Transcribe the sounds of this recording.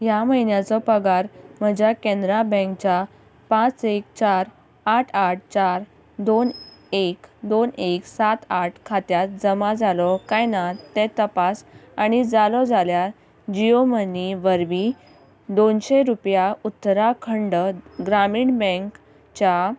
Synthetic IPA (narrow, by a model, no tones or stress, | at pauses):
jaməɦinjat͡sɔpəɡaɾm̤əd͡ʑʱakẽnd̪ɾabə̃kt͡ɕa | pãt͡sekt͡ɕaɾ | aʈʰaʈ̚ʰt͡ɕaɾ | d̪onekd̪oneksat̪aʈʰkʰat̪jat̪̚d͡zəmad͡zalɔkajnat̪et̪əpasañid͡zalɔd͡zalja | d͡ʑijoməniʋəɾʋi | d̪onɕeɾupjaut̪ːɾakʰəɳɖəɡɾamiːɳbə̃ŋk | t͡ɕa